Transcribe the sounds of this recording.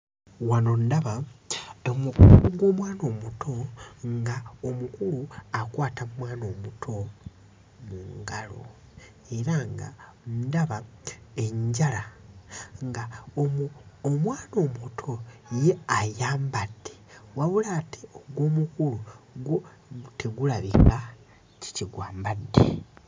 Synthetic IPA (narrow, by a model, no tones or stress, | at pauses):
wanondaβa | omukuluuɡwo̞ːmwaːno̞ːmutʰo̞ŋɡaomukuluakwaːtammwaːno̞mutʰo̞ | muŋɡalo̞̰ | e̞ɾaŋɡa̰ndaβaeɲɟala | ŋɡa | mwaːno̞ːmutʰo̞jeajaːmbad̥ːe̥waβulatʰeoɡwo̞ːmukuluɡo | tʰeɡulaβika | ci̥ciɡwaːmbadːḛ